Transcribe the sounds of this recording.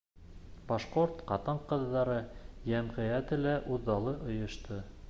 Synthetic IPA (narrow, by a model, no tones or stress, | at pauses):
pɑʃqoɾt̪qɑt̪ɤɴqɤ̆ðːɑɾɤjæmʁɘ̆jæt̪ɘlæʔuðːɑlˠɤʔŏjŏʃt̪ɤ